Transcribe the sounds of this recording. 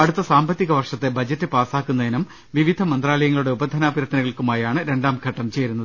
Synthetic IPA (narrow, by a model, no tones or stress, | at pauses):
ɐɽut̪ːɐsaːmbɐt̪ːiɣɐʋɐrʂɐt̪ːebɐd͡ʑɐtːɨpaːsaːkːunːɐðinɐm | ʋiʋid̪ʱɐmɐnd̪raːlɐjɐŋːɐɭuɽe̞ubɐd̪ʱɐnaːbiɾɐt̪ːinɐɣɐɭkumaːjaːɳɨɾe̞ɳɖaːmɡʱɐʈːɐmt͡ɕejɾunːɐðɨ